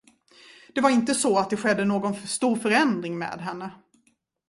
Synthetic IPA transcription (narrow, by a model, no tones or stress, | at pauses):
d̪̥ɛvaɾɪnt̪əsɔat̪̚d̪ɛɧɛd̪ːənoːɡɔnst̪uːɾfœɾɛnd̪ɾɪŋmḛːd̪ɦɛnːə